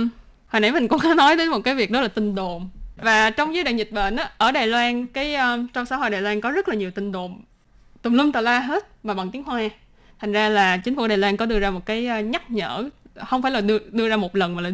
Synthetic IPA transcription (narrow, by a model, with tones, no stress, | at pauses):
haː˨˩nʔa˧˦mï˨˩ŋ̟kʊ̰˧˥wŋ͡mxaː˨˦nɔ˨˦jt̪ə˨˦jmo˨˩t̚kaː˨˦jvi˨˩ək̚ɗɔ˨˦laː˨˩t̪ï˨˩ŋ̟ɗo˨˩mvaː˨˩t͡ɕɔ˧wŋ͡mzəː˨˦jɗa̰ː˧˨˩ɲzï˨˩t̚ɓə̰ː˧˩nʔaː˨˦ʔəː˧˩ɗaː˨˩jlwaː˧nkaː˨˦jʔəː˧t͡ɕɔ˧wŋ͡msaː˧˥ho̰˧˨jɗaː˨˩jlwaː˧nkɔ˨˦zə˦˥t̚laː˨˩ɲi˨˩əwt̪ï˨˩ŋ̟ɗo̰˨˩m | t̪o˨˩ŋ͡mlwi˧ŋ͡mt̪əː˨˩laː˧ɦe˦˥t̚maː˨˩ɓa˨˩nt̪i˨˦ŋhwaː˧ | t̪ʰa˨˩ŋzaː˧laː˨˩t͡ɕï̟˨˦fɗaː˨˩lwaː˧nkɔ˨˦ɗɨ˧əzaː˧mo˨˩t̚kaː˨˦jɲa˦˥t̚ɲə̰ː˧˩˨xə˧wŋ͡mfaː˧˩jlaː˨˩ɗɨ˧əɗɨ˧əzaː˧mo˨˩t̚lə˨˩nmaː˨˩a˨˩